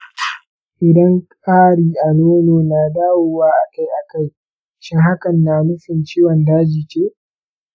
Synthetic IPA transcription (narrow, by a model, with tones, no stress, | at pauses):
ʔɪ˨dɐ˦ŋkʼaː˦ɽiː˨ʔa˨noː˦noː˨naː˨daː˦woː˨waː˦ʔa˨ka˦jʔa˨ka˦˨j | ʃɪ˦ŋɦa˦kɐ˨nːaː˨mʊ˦ɸɪ˨nt͡ʃiː˦wɔ˨ndaː˦d͡ʒi˨kʲeː˦